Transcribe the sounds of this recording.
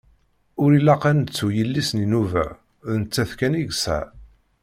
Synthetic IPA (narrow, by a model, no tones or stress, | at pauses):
ʊɾilæqænət͡sːujəlːisninuvæ̰ | ðnət͡sːæθkæniʝsæ̰